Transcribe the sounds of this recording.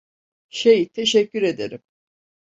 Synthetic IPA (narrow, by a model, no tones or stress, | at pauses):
ʃejit̪ʰeʃɛcːyɾe̞d̪ḛɾim